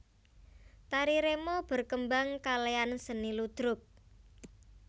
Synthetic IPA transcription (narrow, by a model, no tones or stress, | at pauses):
t̪aɾiɾemob̥ə̤rkəmbaŋkaleansənilud̪̥ɾʊk̚